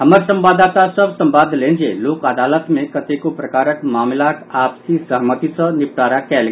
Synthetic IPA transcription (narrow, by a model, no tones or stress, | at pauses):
ɦəməɾsə̃mbaːd̪aːt̪asəbsə̃mbaːd̪ʱlẽːnd͡ʒieloːkəd̪aːlət̪mẽkət̪ekopɾɐkaːɾəkmaːmlak̪aːpsisəɦmət̪isə̃nɪp̚ʈaːɾakɛːlɡ